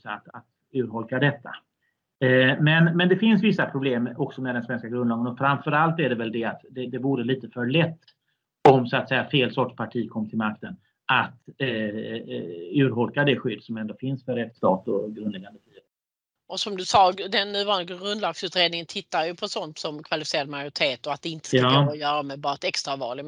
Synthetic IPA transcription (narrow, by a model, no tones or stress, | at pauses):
sa̰t̪at̪ | ʉ̟ːɾɦɔlkad̪ɛt̪ʰːa̰ | mɛnmɛnd̪ɛfɪnsvɪsːapʰɾʊbleːmɔksɔmɛd̪ɛnsvɛnskaɡɾɵnɑːɡənɔfɾamfœɾalt̪æɖɛvɛld̪ɛat̪d̪ɛd̪ɛvuːɾəliːt̪əfœɭɛt̪ː | ɔmsʊat̪sɛjːafeːlsɔʈʂpʰaʈʰiːkʰɔmːt̪ʰɪlmak̚t̪ən | ʔatt̪ | ʉ̟ːɾɦɔlkad̪ɛɧʏd̪ːsɔmɛnd̪oːfɪnsfœɾːɛt̪ːst̪ɑːt̪ɔ̰ɡɾɵnd̪ɛɡand̪əfiːə | ɔsɔmd̪ɵsɑːd̪ɛnːʉ̟ːvɑːnlɪɡaɡɾɵnd̪lɑːɡsʉ̟ːt̪ɾeːd̪nɪŋənt̪ʰɪt̪ːaɾjɵpʰɔsɔnt̪sɔmkʰvalɪfɪseːɾad̪majʊɾɪt̪ʰeːt̪ɔat̪̚d̪ɛɪnt̪ə̥ɔjœːɾamɛbɑːɾaɛt̪ɛkst̪ɾavɑ̰ːlɪɡ